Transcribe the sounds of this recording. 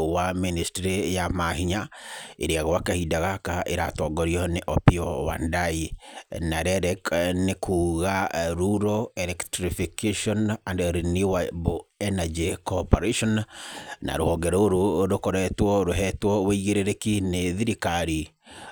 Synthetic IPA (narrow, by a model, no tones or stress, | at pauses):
waministɾejamahiɲaḛɾeaɣɔwakahidaɣakaʔeɾatɔːɡɔɾiɔneʔɔpiɔwa̰ndainaɾɛɾɛknekʰuːɣaɾuɾɔɛlɛktɾifikeʃɔnandɾinuwaboɛnad͡ʒikɔpɔɾeʃɔnna̰ɾo̰hɔŋɡɛɾɔoɾoɾokoɾɛtwɔɾoɦɛtwɔweiɣeɾeɾekineðiɾikaɾi